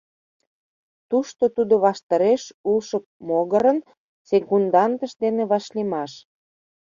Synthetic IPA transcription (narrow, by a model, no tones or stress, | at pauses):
t̪uʃt̪ot̪ud̪oβɑʃt̪ɑɾeʃulʃəp̚moɣəɾən | sekund̪ɑnt̪əʃd̪eneβɑʃlimɑʃ